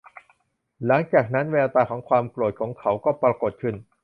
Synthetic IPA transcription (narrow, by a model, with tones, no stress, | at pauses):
la˩˦ŋt͡ɕaː˨˩k̚na˦˥nwe˧la˧t̪aː˧kʰɔː˩˦ŋkʰwaː˧mklu˨˩t̪̚kʰɔː˩˦ŋkʰa˩˥wkɔː˥˩pɾa˧ko˨˩t̪̚kʰɯ˥˩n